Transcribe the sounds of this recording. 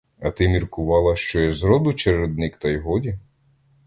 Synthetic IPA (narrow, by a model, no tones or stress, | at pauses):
ɐt̪ɪmʲirkʊʋɑlˠɐʃt͡ʃɔjɛzɾɔd̪ʊt͡ʃeɾed̪nɪkt̪ɐjɦɔdʲi